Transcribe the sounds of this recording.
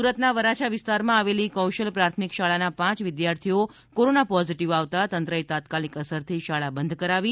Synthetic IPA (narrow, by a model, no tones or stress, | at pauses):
uɾət̪naʋəɾat͡ʃʰaʋɪst̪aɾmãaʋelikəwʃəlpɾat̪ʰmikʃaɭanapãt͡ʃʋɪd̪jaɾt̪ʰio | koɾonapɔziʈiʋaʋt̪at̪ənt̪ɾəet̪at̪kalikəsəɾt̪ʰiʃaɭabənd̪ʱkəɾaʋi